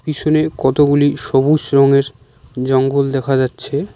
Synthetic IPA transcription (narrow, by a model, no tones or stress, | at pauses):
pit͡ɕʰonekɔt̪oɡuliʃɔbusɾɔŋeɾ | d͡ʑɔŋɡold̪ɛkʰad͡ʑatːɕʰe